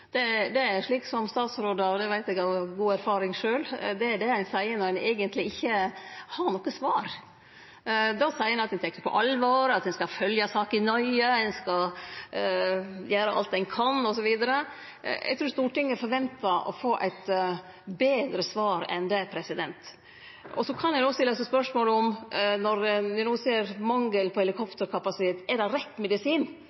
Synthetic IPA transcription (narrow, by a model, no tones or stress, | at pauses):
d̪̥ɛd̪ɛæɾʂɭiːksɔmst̪ɑːt̪sɾoːd̪əɾɔd̪ɛʋæɪt̪ɛɡɑʋɡuːæɾfɑːɾɪŋʂøːld̪ɛæɖɛhæɪnsæɪənɔɾɛnæɡənt̪lɪɪçːəhɑɾɳɔkːəsʋɑːɾ | d̪ɑsæɪənɑt̪̚hɛnt̪ʰɛk̪ːəɾpʰɔ̰ʔɑlʋoːɾɑt̪d̪ɛnskɑfœljɑsɑːkɪnɔʏədɛnskɑ | jæːɾəʔɑ̰lt̪d̪ɛnkʰɑnːɔsɔʋiːd̪əɾə | ʔɛ̰ɡt̪ʰɾuːɾst̪uːʈɪŋːɛɾfɔɾʋɛnt̪ɑʔɔ̰foːʔæ̰ɪt̪ | beːd̪ɾəsʋɑːɾɛ̰nd̪ɛpʰɾɛsɪd̪ɛnt̪ | ɔsɔkʰɑnjɛɪnoːst̪ɪlːsɔspœʂmoːləʊmnɔɾd̪ɪnuːseːɾmɑŋːəlpʰɔhɛlɪkʰɔpt̪əɾkʰɑpɑsɪt̪ʰeːt̪ɛdɛɾɛt̪ːmɛd̪ɪsiːn